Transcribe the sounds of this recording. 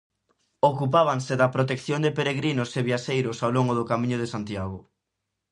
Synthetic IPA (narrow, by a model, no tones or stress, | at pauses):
okup̬aβ̞aŋseðɐpɾot̪ekθjond̪epeɾeɣɾinʊseβiaʃejɾʊsawloŋɡʊðʊkamĩɲʊð̞esant̪jaɣʊ